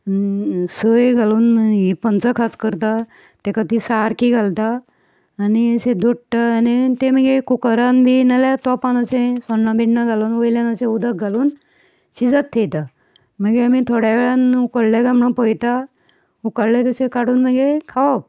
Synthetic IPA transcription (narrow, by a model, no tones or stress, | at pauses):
isəjɡʱaluːnməɡepənt͡səkʰat͡skəɾt̪a | t̪ɛkat̪isaɾkiɡʱalt̪aː | nised̪ʱoʈʈːaːnit̪eməɡekukəɾanbʱinalat̪ɔpanəsẽsɔnːãbiɽnaɡaluːnʋəjljãnəsẽud̪ʱək̚ɡʱaluːn | ɕid͡zat̪ʰːejt̪a | m̤əɡeamit̪ʰoɽjaʋeɭanukəɽljaɡamɳə̃pəjt̪a | ukəɽlet̪əsẽkaɽuːnməɡekʰaʋa